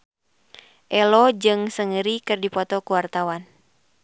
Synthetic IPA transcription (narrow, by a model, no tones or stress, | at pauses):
ʔɛlɔd͡ʒɨŋsəŋəɾikɨrdipɔt̪ɔkuwart̪awan